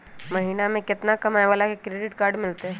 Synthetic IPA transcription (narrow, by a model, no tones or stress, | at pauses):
mɐɦiːnamẽkɪt̪nakɐmɛʋaːlakekɾeːɖɪʈkaːɾɖmɪlt̪eɦɛ̃ː